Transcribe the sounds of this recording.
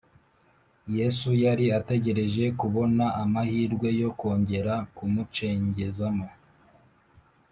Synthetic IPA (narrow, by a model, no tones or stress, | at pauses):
je̞sujaɾiate̞ɟe̞ɾe̞ʒe̞kuβo̞naʔamahiːɾɡwe̞jo̞ko̞ːɲɟe̞ɾakumut͡ʃe̞ːɲɟe̞zamo